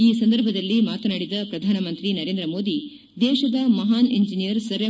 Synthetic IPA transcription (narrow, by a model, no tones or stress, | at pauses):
iːsɐnd̪ɐɾbʱɐd̪ɐlːimaːt̪ɐnaːɽid̪ɐpɾɐd̪ʱaːnɐmɐnt̪ɾinɐɾend̪ɾɐmoːd̪i | d̪ɛːʃɐd̪ɐmɐɦaːneɲd͡ʒinijɐɾsɐɾjɐ